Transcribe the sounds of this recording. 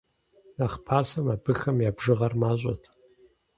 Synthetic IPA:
naχpʰaːsɐmaːbɨxɐmjaːbʐɨʁɐrmaːɕʼɔ̰tʰ

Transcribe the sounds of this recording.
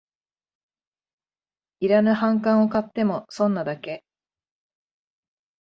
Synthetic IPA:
iɾanɯ̟hãŋkãɰ̃o̞kat̪ːe̞mo̞sõ̞nːad̪ake̞

